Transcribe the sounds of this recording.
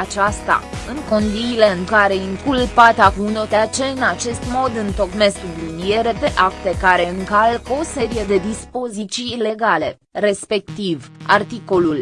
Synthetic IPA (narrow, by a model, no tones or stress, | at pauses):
at͡ʃast̪a̰ɨŋko̞nd̪ile̞ɨŋkaɾe̞iŋkulpat̪akunot̪eat͡ʃe̞ɨnat͡ʃe̞st̪mo̞d̪ɨnt̪o̞kme̞skunlinije̞ɾe̞pe̞ʔakt̪e̞kaɾe̞ɨŋkalko̞se̞ɾije̞d̪e̞d̪ispo̞zit̪sile̞ɡale̞ | re̞spe̞kt̪iva̰rt̪iko̞lul